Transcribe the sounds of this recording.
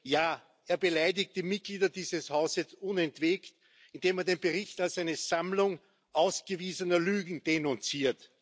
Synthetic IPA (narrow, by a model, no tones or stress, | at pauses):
jaː | ʔeːɐbəlaɪdɪk̚t̚d̥imɪt̚ɡ̥liːdɐdiːzəshaʊzəsʊnɛntv̥eːkt | ɪnd̥eːmeɐdeːnbəʁɪçtalsæɪnəz̥amlʊŋ | ʔaʊsɡ̥əviːzənɐlyːɡŋ̩d̥enʊnt͡siːɐt